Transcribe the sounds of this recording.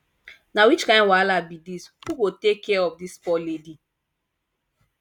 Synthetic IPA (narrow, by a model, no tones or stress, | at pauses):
nawit͡ʃkãɪ̃nwalabidishuɡotekːɛɔfdispɔledi